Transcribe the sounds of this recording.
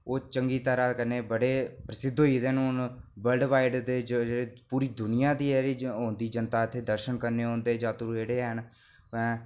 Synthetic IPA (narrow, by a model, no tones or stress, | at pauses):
oːt͡ʃəŋɡiːt̪əɾaːkəneːbəɽeːpɾəsɪd̪ʱːoːiːd̪eːnũːnbəlɖʋaːɪɖd̪eːd͡ʒd͡ʒːeːpuːɾiːd̪ʊnɪjãːd̪iːeɾiːɦõːnd̪iːd͡ʒənt̪aːɪt̪ʰːeːd̪əɾʃənkəɾneːɦõːnd̪eːd͡ʒaːt̪uɾeːɽeːɦən | pɛ̃ː